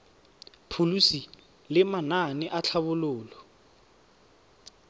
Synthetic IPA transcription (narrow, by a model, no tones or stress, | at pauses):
pʰulusi | lɪmananɪʔat͡ɬʰaβʊlʊːlɔ